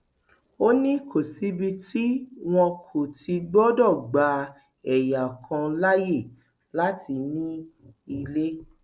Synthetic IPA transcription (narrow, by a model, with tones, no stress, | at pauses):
o˦nĩ˦kʰo˨si˨˦bi˧ti˦w̃ɔ̃˧kʰo˨ti˧ɡ͡bɔ˦dɔ˦˨ɡ͡ba˨˧˦ | ɛ˨ja˨kʰã˧la˦je˦˨ | la˦ti˧nĩ˦i˧le˦